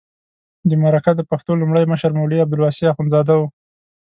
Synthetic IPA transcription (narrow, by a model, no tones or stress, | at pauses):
d̪əmaɾakad̪əpaxt̪olumɽəjməʃaɾmawliabd̪ʊlwɑsiaxunzɑd̪awu